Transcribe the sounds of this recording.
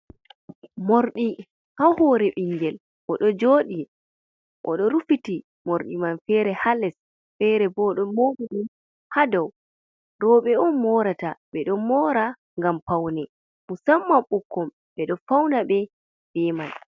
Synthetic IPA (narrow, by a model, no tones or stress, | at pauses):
moɾɗi | hahɔɾɛɓiŋɡɛl | ʔɔɗɔd͡ʒoɗi | ʔɔ̰ɗɔɾufiti | moɾɗimanfɛɾɛhalɛs | fɛɾɛbɔɗɔmoɗiɗum | hadɔw | ɾɔɓɛɔnmɔɾataɓɛɗɔmɔːɾa | ŋɡampawnɛ | musamːaɓukːɔm | ɓɛɗɔfawnaɓɛ | ɓɛman